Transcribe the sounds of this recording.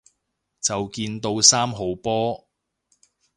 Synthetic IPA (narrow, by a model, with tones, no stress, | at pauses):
t͡sɐ˨wkiː˧nt̪o˧wsaː˥mɦo˨˥wpɔː˥